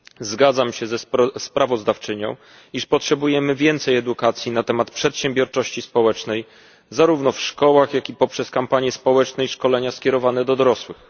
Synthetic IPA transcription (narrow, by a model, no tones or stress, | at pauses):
zɡad̪zamɕɛzɛspɾavɔzd̪aft͡ʂɘɲɔ̰̃w̃ | iʂpɔtʂɛbujɛmɘvʲjɛnt̪sɛjɛd̪ukat̪sʲjinat̪ɛmat̪pʂɛt̪ɕɛ̃mbʲjɔɾt͡ʂɔɕt͡ɕispɔwɛt͡ʂnɛj | zaɾuvnɔfʂkɔwaxjakʲipɔpʂɛskampaɲjɛspɔwɛt͡ʂnɛiʂkɔlɛɲaskʲjɛɾɔvanɛd̪ɔd̪ɔɾɔswɘx